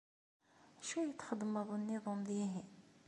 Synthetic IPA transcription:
æʃæjət̪ːχəd̪ːməðˤənːiðˤomðiɦi

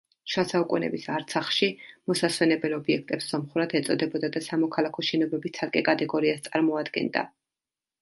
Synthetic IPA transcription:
ʃwasaukʼunɛ̰bisaɾt̪sʰaχʃimɔsaswɛnɛbɛlɔbiɛk̚ʰt̪ʼɛpszɔmχuɾat̪ʰɛt̪sʼɔd̪ɛbɔd̪ad̪asamɔkʰalˠakʰɔʃɛnɔbɾɛbist̪sʰaɾkʼɛkʼat̪ʼɛɡɔɾiast̪sʼaɾmɔad̪ɡɛ̰nd̪a̰

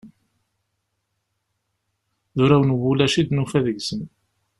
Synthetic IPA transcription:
ðʊɾæwənwʊlæʃid̪nufæðəʝsən

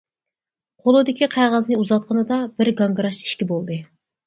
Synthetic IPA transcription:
qʰolˠud̪ɪkʲʰiqʰæʁɑznɨuzɑt̪̚qʰənɨd̪ɑbɪɾɡɑŋɡɾɑʃi̥ʃkʲibolˠd̪ɨ

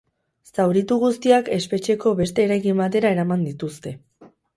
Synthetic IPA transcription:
sawɾit̪uɣust̪iake̞spe̞t͡ʃe̞ko̞βe̞st̪e̞ːɾajkimbat̪e̞ɾae̞ɾamand̪it̪ust̪e̞

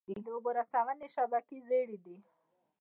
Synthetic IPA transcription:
id̪əʊboɾasawaneʃabakizeɽid̪i

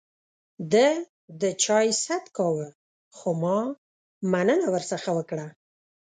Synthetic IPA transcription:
d̪ə | d̪ət͡ʃɑjsat̪kɑwə | xomɑ | manənawəɾsəxawəkɽa

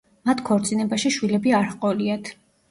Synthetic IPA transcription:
mat̪ʰkʰɔɾt̪sʼinɛbaʃiʃwilɛbiaɾhqʼɔliat̪ʰ

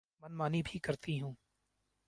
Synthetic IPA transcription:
mɐnmaːnibʱikɐɾt̪iɦũː

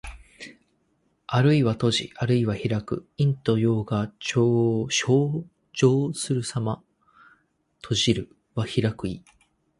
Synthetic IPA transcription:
aɾɯ̟iβat̪o̞ʑḭʔaɾɯ̟iβaçiɾakɯ̟̰ĩnt̪o̞jo̞ːɡat͡ɕoɕoː | ʑo̞ːsɨɾɯ̟sama | t̪ʰo̞ʑiɾɯ̟ | βaçiɾakɯ̟i

